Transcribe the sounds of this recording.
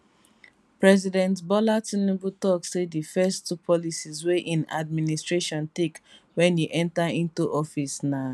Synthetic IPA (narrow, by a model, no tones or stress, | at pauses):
pɹɛzidɛ̃ntbɔlatĩnibutɔkseifɛstupʰɔlisizweʔĩna̰d̚ministɹeʃɔ̃ntek | wɛ̃niʔɛ̃ntaĩntuʔɔfisna